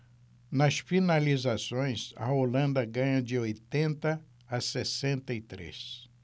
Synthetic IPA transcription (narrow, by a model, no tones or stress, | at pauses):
nɐsfinalizasõj̃sɐ̰olɐ̃nd̪ɐɡɐ̃ɲɐd͡ʒɪojt̪ẽnt̪ɐː | sesẽnt̪ɐit̪ɾḛs